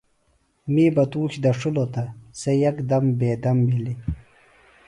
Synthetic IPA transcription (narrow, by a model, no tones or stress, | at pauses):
miːbɐt̪uːɕd̪ɐʂulot̪ɐsɐjɐkd̪ɐmbeːd̪ɐmbili